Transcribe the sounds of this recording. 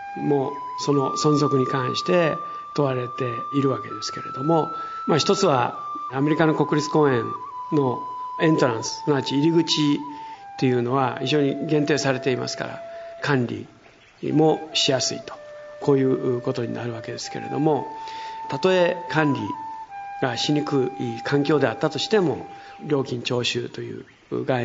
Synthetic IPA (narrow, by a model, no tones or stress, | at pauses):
mo̞ː | so̞no̞sõ̞nzo̞kɯ̟ɲ̟ikãɰ̃ɕi̥t̪e̞ | t̪o̞βaɾe̞t̪e̞iɾɯ̟βake̞d̪e̞sɨ̥ke̞ɾe̞̰d̪o̞mo̞ | maçʲi̥t̪ot͡sɨβa̰ | ame̞ɾʲikano̞ko̞kɯ̟ɾʲit͡sɨ̥kõ̞ːẽ̞n | no̞ | ẽ̞nt̪o̞ɾãɰ̃sɨ̥onat͡ɕiːɾʲiɡɯ̟t͡ɕit̪e̞jɯ̟ːnoβaçiʑo̞ːɲ̟iɡẽ̞nt̪e̞ːsaɾe̞t̪e̞ima̰sɨ̥ka̰ɾa̰kãnɾʲḭ | mo̞ɕijasɨḭt̪o̥kʰo̞ːjɯ̟ːko̞t̪o̞ɲ̟ḭna̰ɾɯ̟βake̞d̪e̞sɨ̥ke̞ɾe̞̰d̪o̞̰mo̞t̪at̪o̞e̞kãnɾʲḭ | ɡ̥aɕiɲ̟ikɯikʰãŋkʲo̞ːd̪e̞at̪ːat̪o̞ɕi̥t̪e̞mo̞ | ɾʲo̞ːkʲĩɲ̟t͡ɕo̞ːɕɨːt̪o̞jɯ̟̰ː | ɡa